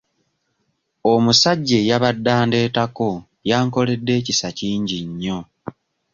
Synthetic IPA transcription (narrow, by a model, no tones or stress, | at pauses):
omusaɟːe̞jaβadːaːnde̞ːtako̞ | jaːŋko̞le̞dːe̞ːcisaciːɲɟiɲːo̞